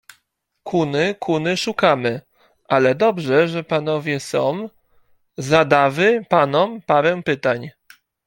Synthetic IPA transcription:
kʰunɘkʰunɘʂukamɘ | ʔalɛd̪ɔbʐɛʐɛpan̪ɔvʲjɛsɔ̃w̃ | zad̪avɘpanɔmpaɾɛwpɘt̪aɲ

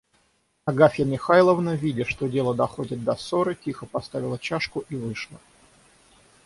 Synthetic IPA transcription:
ɐɡafʲjəmʲɪxajlˠəvnəvʲidʲɪʂt̪o̞dʲe̞lˠəd̪ɐxodʲɪt̪̚d̪ɐso̞ɾɨtʲixəpɐst̪avʲɪlˠət͡ɕaʂkʊʔivɨʂlˠə

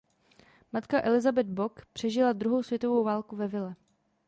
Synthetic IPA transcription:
mat̪kaʔɛlɪzabɛd̪̚bo̞kpr̝̥ɛʒɪlad̪ɾuɦo̞wsvjɛt̪o̞vowvaːlkuvɛvɪlɛ

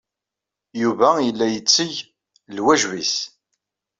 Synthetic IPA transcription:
juvæjəlːæjət͡sːəʝ | lwæʒwḭs

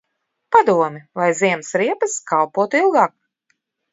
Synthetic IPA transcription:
pad̪uɔmʲilajziɛmsɾiɛpaskalˠpuɔt̪uilˠɡaːk̚

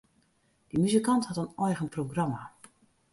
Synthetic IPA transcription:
d̥imyzikanthatənɔjɣənproɡrama

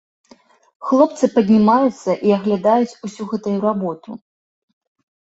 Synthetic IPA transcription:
xlˠɔp̚t̪sɨpɐd̪ʲnʲimajut̪sːɐʔiɐɣlʲad̪ajut͡sʲusʲuɣɛt̪ujuɾabɔt̪u

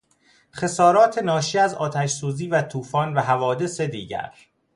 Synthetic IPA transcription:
xe̞sɒːɾɒːt̪ʰe̞nɒːʃiæzɒːt̪ʰæʃsuːziːvæt̪ʰuːfɒːnvæɦævɒːd̪e̞se̞d̪ḭːɟæ̰ɾ

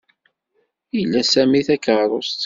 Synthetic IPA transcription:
ilːæsæmiθækəɾˤost̪

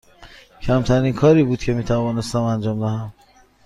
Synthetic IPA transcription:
cʰæmt̪ʰæɾiːnkʰɒːɾiːbuːd̪̥̚cʲʰe̞miːt̪ʰævɒːne̞st̪æmænd͡ʒɒːmd̪æɦæm

